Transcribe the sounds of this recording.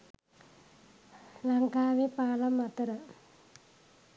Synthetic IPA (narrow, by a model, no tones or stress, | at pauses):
laŋkaːʋepaːlamːat̪əɾə